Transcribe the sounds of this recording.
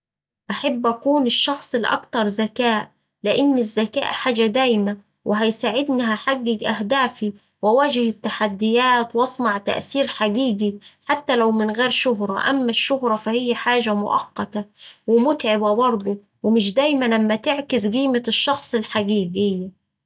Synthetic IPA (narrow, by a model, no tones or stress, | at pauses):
ʔaħabːʔækuːnɪʃːɑxsˤɪlʔɑ̰kt̪ɑɾˤzækæːʔ | lɪʔɪnːɪzːækæ̰ːʔħaːd͡ʒæd̪æːjmæ | wʔɪɦæjsaːʕɪd̪niɦæħaɡːɪɡʔæɦd̪æːfi | wæwæːd͡ʒɪhɪt̪ːaħad̪ːɪjæːt̪wʔɑsˤnɑʕt̪æ̰ʔsiːɾħaɡiːɡiħat̪ːælæwmɪnɣeːɾʃʊɦɾˤɑʔæ̰mːæʃːʊhɾˤɑfæhɪjːæħaːʒæmʊ̰ʔɑ̰qːɑt̪æwɪmʊt̪ʕɪbæbɑɾˤd̪ˤo | wɪmɪʃ̬d̪æːjmælæmːæt̪ɪʕkɪsɡiːmɪʃːɑxsˤɪlħaɡiːɡɪjːæ